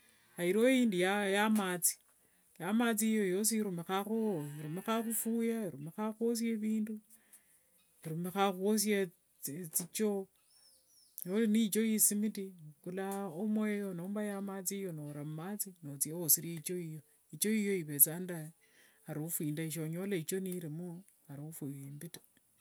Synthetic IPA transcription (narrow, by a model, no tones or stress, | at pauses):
aiɾojiːndijajamat͡si̥ | jamat͡sijojo̞s̬iɾumexaxoiɾumexaxufuːjaiɾumexaxwos̬jeβiːndu | iɾumexaxuos̬ja | t͡sit͡ʃo | ɲolinit͡ʃojisimitikulaomwejonoːmbajamat͡sijonoɾamat͡sinot͡sieosiɾjait͡ʃoijo | it͡ʃoijo̞iβet͡sanda | aɾuufwiːndaiʃ̬oɲolait͡ʃoniɾimu | aɾiufujimbitḁ